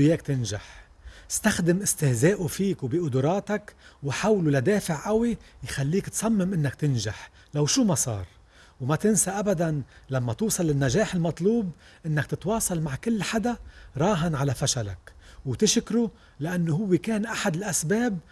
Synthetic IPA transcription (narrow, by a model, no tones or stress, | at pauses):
jeːkt̪ɪnʒa̰ħ | ɪ̥st̪axd̪ɪmʔɪst̪ɪhzeːʔufiːkwbiʔʊd̪ʊɾˤɑːt̪akwħawlulad̪eːfɪʕʔawijxalːiːkt̪sˤɑmːɪmʔɪnːakt̪ɪnʒaħ | lawʃuːmasˤɑ̰ːɾˤ | wmat̪ɪnsaʔabad̪anlamːat̪uːsˤɑlɪnːaʒeːħɪlmɑt̪ˤluːbʔɪnːakt̪ɪt̪wɑːsˤɑlmaʕkɪlːħad̪aɾˤɑːɦanʕalafaʃala̰kwt̪ɪʃkɾu | lɪʔanːʊhʊwːɪkeːnʔaħad̪ɪlʔasbeːb̚